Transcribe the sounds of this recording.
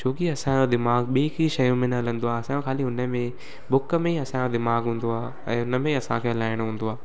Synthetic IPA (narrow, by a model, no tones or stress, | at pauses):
t͡ɕʰoːkiɐsãd͡ʑod̪ɪmaːɡɓeːkiʃɐjũmẽnlə̃nd̪oaːɐsãõkʰaːliʊnəmẽ | bʊkə̆mẽiɐsãod̪ɪmaːɡɦũːn̆d̪oaː | ɛ̰̃ːʊnə̆mẽiɐsãkʰelaːɪɽ̃ɦũːnd̪oaː